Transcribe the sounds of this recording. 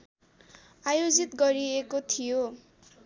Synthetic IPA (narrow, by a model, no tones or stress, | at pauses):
ajod͡zit̪ɡʌɾiekot̪ʰijo